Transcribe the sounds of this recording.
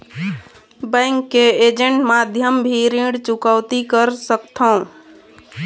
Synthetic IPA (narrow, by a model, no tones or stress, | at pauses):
bɛ̃ŋkːeed͡ʒẽɳʈmad̪ʱjəmbʱiɾĩɽt͡ʃukəwt̪ikəɾsəkt̪ʰəũ